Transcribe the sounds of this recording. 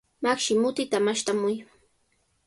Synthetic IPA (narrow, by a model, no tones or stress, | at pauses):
makʃɪmʊt̪ɪt̪amaʃt̪amʊj